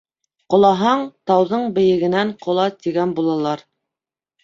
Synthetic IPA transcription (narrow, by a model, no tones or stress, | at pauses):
qŏlˠɑɦɑɴt̪ɑwðɤɴbɘ̆jɘ̆ɡɘ̆næɴqʰŏlˠɑt̪iɡænbulˠɑlˠɑɾ